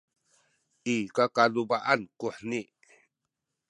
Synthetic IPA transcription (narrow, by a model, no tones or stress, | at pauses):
ikakalubaʔankuħni